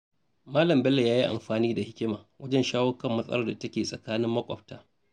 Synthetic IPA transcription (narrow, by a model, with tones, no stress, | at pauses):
maː˦lɐ˨mbɛ˦lːe˨jaː˦ji˦ʔa̰˨mɸaː˨niː˦da˨hɪ˦kʲɪ˦maː˨wɐ˦d͡ʒɛ˦nʃaː˦wɐ˦kɐ˦˨mːɐ˦sʼɐ̰˦lɐ˦rda˨tɐ˦kʲeː˨sʼɐ˨kaː˦nɪ˦mːɐ˦kʷʼɔ̰˨b̚taː˦